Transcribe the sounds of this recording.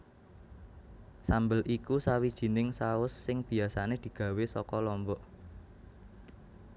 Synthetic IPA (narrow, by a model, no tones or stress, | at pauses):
sambəlʔikusawid̥ʒ̥i̤nɪŋsaʊsːɪŋb̥i̤asaned̪̥i̤ɡ̥ä̤wesɔkɔlɔmbɔʔ